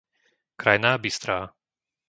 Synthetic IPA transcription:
kɾajnaːbist̪ɾaː

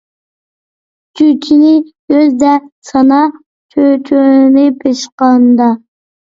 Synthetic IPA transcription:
t͡ʃʰyt͡ʃʰinɪjøzd̪ɛsɑnɑ | t͡ʃʰøt͡ʃʰønɪpʰeʃqɑnd̪ɑ

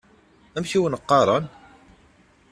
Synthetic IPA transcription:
æmçiwənəqːɑɾˤɑn

